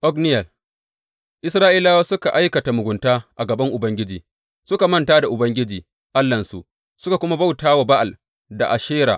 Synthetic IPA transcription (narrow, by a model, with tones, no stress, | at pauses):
ʔɔ˦knɪ˦jɐ˨l | ʔɪ˦sɾaː˦ʔi˦laː˦waː˦sʊ˦ka˨ʔa˦jkɐ˨ta˨mʊ˨ɡʷʊ˨ntaː˦ʔa˨ɡɐ˨bɐ˦ŋʔʊ˨bɐ˦ŋɡʲɪ˦d͡ʒiː˨ | sʊ˦ka˨mɐ˦ntaː˦da˨ʔʊ˨bɐ˦ŋɡʲɪ˦d͡ʒiː˨ | ʔa˦lːɐ˨nsṵ˨ʔ | sʊ˦ka˨kʷʊ˦ma˦ba˦wtaː˦wa˨ba˦ʔa˨l | da̰˨ʔa˨ʃeː˦ɾa̰˨ʔ